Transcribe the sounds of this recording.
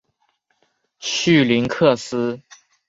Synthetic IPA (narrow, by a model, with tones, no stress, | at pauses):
ɕy˥˩li˧˥nkʰɤ˥˩sɹ̩˥